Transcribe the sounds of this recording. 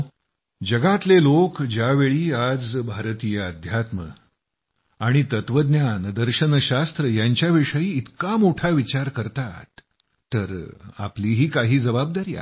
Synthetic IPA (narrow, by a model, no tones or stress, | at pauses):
d͡ʑəɡat̪lelokd͡ʑjaʋeɭiːad͡zbʱaɾt̪ijəəd̪ʱjat̪mə̰ | aɽ̃it̪ət̪ʋəd̪njand̪əɾɕənɕast̪ɾəjaɲt͡ɕjaʋiʂəiːt̪kamoʈʰaʋit͡ɕaɾkəɾt̪at̪ː | əɾa̰pliːɦiːkaɦiːd͡zəbab̚d̪aɾiːa̰